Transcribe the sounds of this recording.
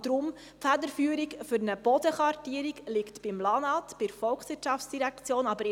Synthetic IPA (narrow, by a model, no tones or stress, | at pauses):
d̥ɾʊm | fædəɾfyəɾikfʏɾnəb̥ɔd̪əχɑɾtiːəɾikliktb̥ɪmlɑnɑt̪b̥ɪɾfɔlkχsʋɪtʃɑftsd̥iɾækt͡sjoːnɑbəɾ